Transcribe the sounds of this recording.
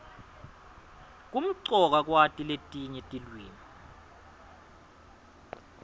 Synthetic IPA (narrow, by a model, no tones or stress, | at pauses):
k̬um̩ǀɔk̬ak̬watʼiletʼiɲɛtʼilwiːni